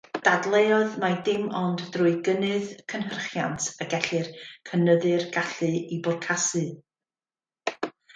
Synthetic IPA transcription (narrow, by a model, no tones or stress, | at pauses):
d̥adlˠeɔðmadɪmɔnddrʊɨɡənɨðkʰənɦərχjantʰəɡɛɬɨrkʰənəðɨrɡ̥aɬɨibʊrkʰasɨ